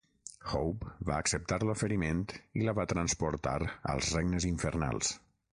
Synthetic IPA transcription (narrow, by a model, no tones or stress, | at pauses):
xowpba̰əksəp̚t̪aɾlofəɾiment̪iləβat̪ɾənspuɾt̪a̰ɾə̰lˠzrɛɡnəziɱfəɾna̰lˠs